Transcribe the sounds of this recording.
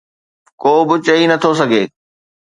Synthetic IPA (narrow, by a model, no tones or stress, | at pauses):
koːbɪt͡ɕɐinɐt̪ʰosɐɡʱeː